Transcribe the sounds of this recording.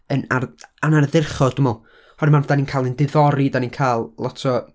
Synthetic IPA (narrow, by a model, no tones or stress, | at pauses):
ənaranarðɪrχɔd̥ʊmɔlˠ | hɔɾmanvdaninkʰaːlˠəndɪðɔɾidaninkʰaːlˠlˠɔtʰɔ